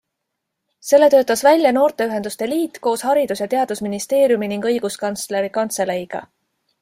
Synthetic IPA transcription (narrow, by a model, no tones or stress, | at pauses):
se̞lːe̞t̪ø̞ːt̪ːˑɑsvælʲjɑno̞ːrt̪e̞yɦe̞nd̪̥ust̪e̞liːt̪ːˑko̞ːshɑɾid̪usjɑt̪e̞ɑd̪usminist̪e̞ːɾjuminiŋɡ̥ɤ̞jɡ̥uskɑnt̪sle̞ɾikɑnt̪se̞lejɡ̥ɑ̰